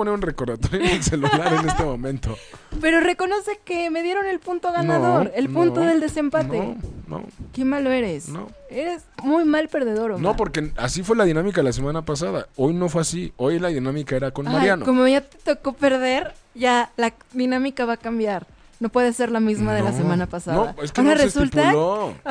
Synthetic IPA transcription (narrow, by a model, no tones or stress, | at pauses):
poneunreko̞ɾðat̪oɾjoneselulaɾene̞st̪emõ̞mẽnt̪ope̞ɾo̞re̞ko̞no̞se̞keme̞ðje̞ɾo̞ne̞lpunt̪o̞ɣanaðo̞ɾe̞lpunt̪oðe̞ld̪e̞se̞mpat̪eno̰ke̞malo̞e̞ɾe̞sno̰e̞ɾe̞zmujmalpe̞ɾð̞e̞ðo̞ɾonopo̞ɾkeasifwe̞laðinãmikaðelas̬emãnapasaða̰o̞jno̞fweasiojelaðinamikaeɾakonmmaɾɾjanoko̞mo̞ʝat̪e̥t̪oko̞pe̞ɾðe̞ɾʝalaðinãmikaβakambjaɾ | no̞pwe̞ðesːe̞ɾlamizmaðelasemãnapasanoða̰eskonaresult̪ao